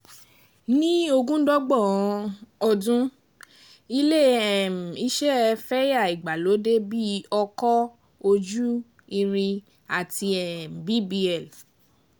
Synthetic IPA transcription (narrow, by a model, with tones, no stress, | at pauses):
nĩ˦o˧ɡũ˦dɔ˦ɡ͡bɔ˦˨ɔ̃˨˧˦ɔ˧dũ˦ | i˧le˦ɛ˨m̩˨i˦ʃɛ˦˧fɛ˦ja˦˨i˨ɡ͡ba˨lo˨˦de˦bi˦ɔ˧kɔ˦ | o˧d͡ʒu˦ | i˧ɾ̃ĩ˧ | a˨ti˧ɛ˨m̩˨bi˦bi˧ɛ˨l